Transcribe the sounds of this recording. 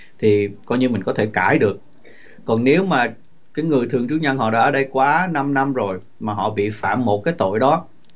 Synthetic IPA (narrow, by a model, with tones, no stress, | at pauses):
t̪ʰi˨˩kɔ˧jɲɨ˧mï˨˩ŋ̟kɔ˨˦t̪ʰe˧˩kaː˧˩jɗɨ˨˩ək̚ː | ɔ˨˩nne˨˦wmaː˨˩ | kaː˨˦jŋɨ˨˩əjt̪ʰɨ˨˩əŋt͡ɕɨ˦˥k̚ɲə˧nɦɔ̰˧˨ɗa̰ː˧˥ʔəː˧˩ɗə˧jkwaː˨˦na˧mna˧mzo˨˩j | maː˨˩ɦɔ̰˧˨ɓḭ˧˨fa̰ː˧˨mːo˨˩t̚kaː˨˦jt̪o̰˧˨jɗɔ˨˦